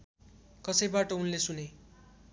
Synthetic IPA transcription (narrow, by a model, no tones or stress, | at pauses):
kʌsʌjbaʈʌunlesune